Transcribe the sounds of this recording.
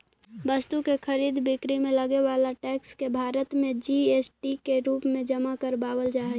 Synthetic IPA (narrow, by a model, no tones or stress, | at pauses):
bəst̪ukekʰəɾiːd̪bɪkɾimẽləɡeʋaːlaʈɛːkskebʱaːɾət̪mẽd͡ʒiesʈikeɾuːpmẽd͡ʒəmakəɾbaːwəld͡ʒaːɦɛ